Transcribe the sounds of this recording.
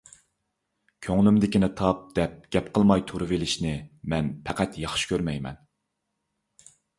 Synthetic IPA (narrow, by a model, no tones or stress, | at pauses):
kʲʰøŋlymd̪ɪkʲinɪt̪ʰɑp̚d̪̥ɛp̚ɡ̥ʲɛpqʰəlˠmɑjt̪ʰuɾɨvelɪʃnɪmɛnpʰæqæt̪jɑχʃɪ̥kʲʰøɾmɛjmɛ̰n